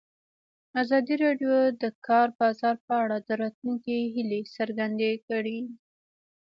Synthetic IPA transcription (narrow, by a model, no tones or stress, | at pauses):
azɑd̪iɾɑɖjod̪əkɑɾbɑzɑɾpəaɽad̪əɾɑt̪luŋkiɦilesəɾɡand̪ekəɽi